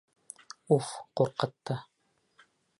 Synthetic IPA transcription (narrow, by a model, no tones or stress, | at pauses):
ufquɾqɤ̆t̪ːɤ